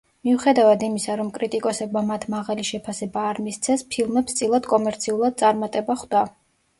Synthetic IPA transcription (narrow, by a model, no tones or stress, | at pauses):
miuχɛd̪avad̪imisaɾɔmkʼɾit̪ʼikʼɔsɛbmamat̪ʰmaʁaliʃɛpʰasɛbaːɾmist̪sʰɛspʰilˠmɛpst̪sʼilˠad̪kʼɔmɛɾt̪sʰiulˠad̪̥̚tsʼaɾmat̪ʼɛbaχd̪a